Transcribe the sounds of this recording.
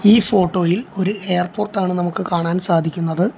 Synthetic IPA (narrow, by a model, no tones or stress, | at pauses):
iːfo̞ːʈːo̞ːjilo̞ɾue̞jrpo̞ːrʈːaːɳɨnɐmukːɨkaːɳaːnsaːd̪ʱikʲːunːɐðɨ